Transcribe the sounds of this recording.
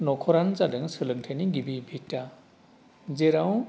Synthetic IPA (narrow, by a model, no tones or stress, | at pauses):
nɔkʰɔɾanzadɯŋsɯlɯŋtʰeniɡibibʱitːa | zeɾaw